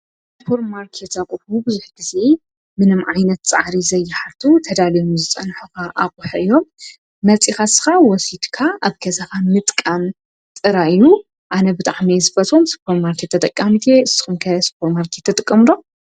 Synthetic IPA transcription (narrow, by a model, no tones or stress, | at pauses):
sɨpʰo̞ɾmaɾkʰet̪akʼuħubɨzuħɡ̥ize̞ | mɨnɨmʕajnɐt̪t͡sʼaʕɾizɐjːɪħaɾt̪ʰut̪ʰɐd̪alijomzɨt͡sʼɐnħukʰaʔakʼuħɐʔɨjːo̞mː | ɐt͡sʼixasɨ̥xawɔsit̪kʰaʔaβkʰɐzɐkʰamɨt̪ʼkʼam | t̪ʼɨɾaɨju | ʔanɐbɨt̪ʼaʕmezɨbɐt̪ʼomsɨ̥pʰoɾmaɾkʰet̪ʰːɐt̪ʼɐkʼːamit̪ʰeɨsːi̥xumkʰɐspʰoɾmaɾkʰet̪ʰːɐt̪ʼɨkʼːɐmɾo